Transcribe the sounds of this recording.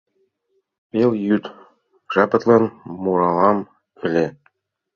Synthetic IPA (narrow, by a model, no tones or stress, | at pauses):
peljyt̪ | ʒɑpɤ̆t̪lɑnmuɾɑlɑm | ɘ̆lʲe